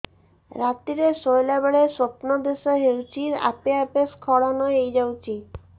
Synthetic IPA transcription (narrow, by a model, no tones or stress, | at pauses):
ɾat̪iɾeʃojlabaɽeʃop̪nod̪eʃoɦewt͡ɕiɾa̰peapeskʰɔɽanɔeejd͡ʑawt͡ɕʰi